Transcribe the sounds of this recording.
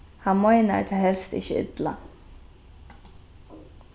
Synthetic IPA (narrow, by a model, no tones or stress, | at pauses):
hɑmɔɪnæ̰ʈ̪ʰɛhɛlst̪ɪ̰çəɪ̰d̪la